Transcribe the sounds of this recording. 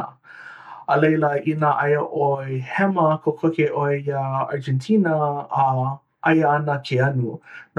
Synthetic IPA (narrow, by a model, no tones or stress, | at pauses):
əlejləinəʔɐjəʔoehɛməkʰokʰokeʔoejaa̰ɹd͡ʒɛ̃ntʰinəː | ʔɐjɐnəkʰeɐnun